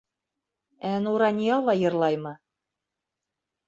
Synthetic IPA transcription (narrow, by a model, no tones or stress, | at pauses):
ænuɾɑnʲijɑlɑjɤ̆rlˠɑjmɤ̆